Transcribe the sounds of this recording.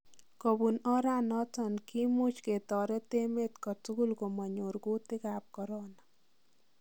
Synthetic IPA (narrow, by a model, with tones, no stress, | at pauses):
kɔ˨bu˨nɔ˦ɾa˦nɔ˦tɔnki˦mu˦t͡ʃke˨t̪ɔ˨ɾɛ˦te˦me˦t̪kɔ˨tu˦ku˦lko˨mɔ˨ɲo˨ɾko˦tɪ˦ka˨p̚kɔ˨ɾo˦na